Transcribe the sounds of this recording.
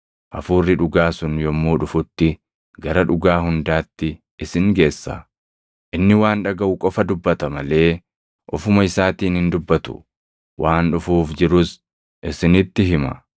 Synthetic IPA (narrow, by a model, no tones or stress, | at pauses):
ʔɐfuːrːɪᶑʊɡaːsʊnjɔmːuːᶑʊfʊt̪ːɪ | ɡɐɾɐᶑʊɡaːɦʊnd̪aːt̪ːɪ | ɪsɪŋɡe̞ːsːɐ̰ | ʔɪnːɪwaːnᶑɐɡɐʔʊkʼɔfɐd̪ʊbːɐt̪ɐmɐle̞ː | ʔɔfʊmɐɪsaːt̪iːnhɪnd̪ʊbːɐt̪ʊ̥̰ | wʔaːnᶑʊfuːfd͡ʒɪɾʊs | ʔɪsɪnɪt̪ːɪɦɪmɐ̰